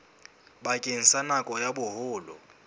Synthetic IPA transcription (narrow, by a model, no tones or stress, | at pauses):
bakʼen̩sanakʼɔjabʊhʊːlʊ̰